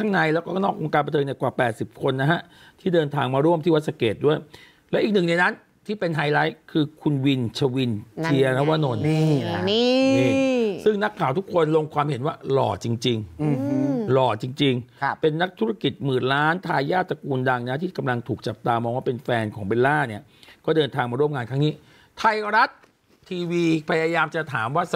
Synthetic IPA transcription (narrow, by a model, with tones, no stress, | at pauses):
kʰa˥˩ŋna˧jlɛː˦˥wkɔː˥˩nɔː˥˩k̚ʔo˧ŋkaː˧npa˧t̪ʰɤː˧ŋni˨˩kwaː˨˩pɛː˨˩t̪̚si˨˩p̚kʰo˧nːa˦˥ɦa˦˥ʔ | t̪ʰiː˥˩dɤː˧nt̪ʰaː˧ŋmaː˧ɾu˥˩əmʰiː˥˩wa˦˥t̪̚sa˧keː˨˩t̪̚du˥˩əj | lɛː˦˥wʔi˨˩k̚nɯ˨˩ŋna˧na˦˥n | t̪ʰiː˥˩pe˧nɦa˧jla˦˥jkʰɯː˧kʰu˧nwi˧nt͡ɕʰa˧wi˧nt͡ɕʰi˧ɐɾɛ˦˥waː˧noː˧˩n˥˩˥ | iː˥˩sɯ˥˩ŋna˦˥kʰːaː˨˩˦wt̪ʰu˦˥kʰːo˧nlo˧ŋkʰwaː˧mɦe˩˦nwaː˥˩lɔ̰ː˨˩t͡ɕi˧ŋt͡ɕi˧ŋ˧ | lɔː˨˩t͡ɕi˧ŋt͡ɕi˧ŋpe˧nːa˦˥k̚t̪ʰu˦˥a˥˩ki˨˩t̪̚mɯː˨˩nlaː˦˥nt̪ʰaː˧jːaː˥˩t̪̚sa˧kuː˧nda˧ŋna˦˥t̪ʰiː˥˩ka˧mla˧ŋt̪ʰuː˨˩k̚t͡ɕa˨˩p̚t̪aː˧mɔː˧ŋwaː˥˩pe˧nfɛː˧nkʰɔː˩˦ŋbe˧laː˥˩ni˥˩ɐ | kɔː˥˩dɤː˧nt̪ʰaː˧ŋmaː˧ɾu˥˩əmŋaː˧nkʰa˦˥ŋni˦˥ | t̪ʰa˧jɾa˦˥t̪ʰː | iː˧wiː˧pʰa˧jaː˧jaː˧mt͡ɕa˨˩t̪ʰaː˩˦mwaː˥˩s